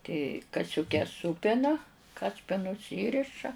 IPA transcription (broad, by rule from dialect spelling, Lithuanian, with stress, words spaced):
tʲɪ kɐsʲʊˈkʲɛs ˈsuːpʲɪnɐ ˈkɑːsʲpʲɪnʊs ˈiːrʲɪʃɐ